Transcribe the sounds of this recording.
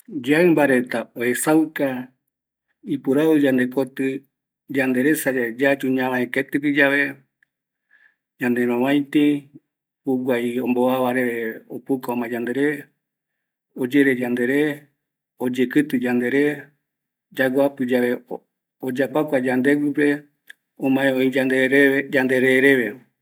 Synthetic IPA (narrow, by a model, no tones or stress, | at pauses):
d͡ʒaɨmbaɾe̞t̪aoesawka | ipuɾaβɨd͡ʒand̪ekot̪ɨ | d͡ʒand̪e̞ɾesad͡ʒed͡ʒat͡ʃuɲãɾãeket̪ɨpid͡ʒaʋe | d͡ʒãnd̪eɾ̃õβãj̃t̪i | uɡʷaiõmboaβaɾe̞ɾeopukaomãd͡ʒand̪e̞ɾe | od͡ʒeɾed͡ʒãnd̪e̞ɾe | od͡ʒekɨt̪ɨd͡ʒãnd̪e̞ɾe | d͡ʒaɡapɨd͡ʒaʋe̞ | od͡ʒapakʷad͡ʒand̪eɡʷipe | õmãẽoĩd͡ʒand̪eɾed͡ʒand̪eɾeɾeβe